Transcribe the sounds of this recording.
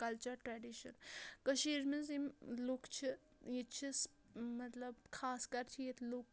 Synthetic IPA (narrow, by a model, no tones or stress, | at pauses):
kɐlt͡ʃɐɾʈɾaːɖiʃɐ̰nkəʃiɾmizimlokt͡ʃʰi | jit͡ʃʰis | mɐt̪lɐbkʰaːskɐɾt͡ʃʰijet̪lok̚